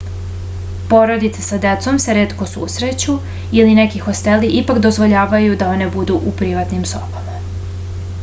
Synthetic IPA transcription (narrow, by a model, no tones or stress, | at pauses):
po̞ɾo̞d̪it̪se̥sad̪e̞t̪so̞mse̞ɾe̞ːt̪ko̞sṵsɾe̞t͡ɕu | ilinekixo̞st̪e̞liʔipakd̪o̞zʋo̞ʎaːʋajud̪ao̞ne̞bud̪uʔupɾiʋat̪nimso̞̰pama